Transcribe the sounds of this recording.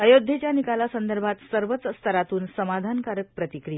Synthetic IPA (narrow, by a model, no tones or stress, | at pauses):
əjod̪ʱːet͡ɕjanikalasənd̪əɾbʱat̪səɾʋət͡sːəst̪ʰəɾat̪uːnsəmad̪ʱankaɾək̚pɾət̪ikɾija